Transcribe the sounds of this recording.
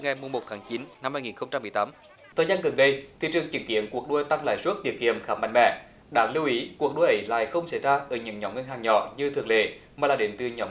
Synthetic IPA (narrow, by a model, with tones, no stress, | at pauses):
ŋa˨˩jmu˨˩mo˨˩t̚t̪ʰaː˨˦ŋt͡ɕi˨˦nna˧mhaː˧jŋi˨˩nxə˧wŋ͡mt͡ɕa˧mːɨ˨˩jt̪ːm | t̪ʰəː˨˩jzaː˧nɣə˨˩nɗə˧jt̪ʰḭ˨˩t͡ɕɨ˨˩əŋt͡ɕḭ˧˩˦nkḭ˧˥ənku˨˩ək̚ɗu˧jt̪a˧ŋla̰ː˧˨jsu˦˥t̚t̪i˨˩ək̚ki˧˨əmxaː˨˦ma̰˧˨jŋ̟mɛ̰˧˨ | ɗa̰ː˨˦˥ŋli˧wʔi˨˦ku˨˩ək̚ɗu˧jʔə˨˦jla̰ː˧˨jxə˧wŋ͡msa˧˥˩jzaː˧ʔəː˨˩ɲɨ̰˧˥˦ŋɲɔ˨˦wŋ͡mŋ˧nɦaː˨˩ŋɲɔ̰˧˨ɲɨ˧t̪ʰɨ˨˩ŋlḛ˧˨maː˨˩laː˨˩ɗe˨˦nt̪ɨ˨˧˩ɲɔ˨˦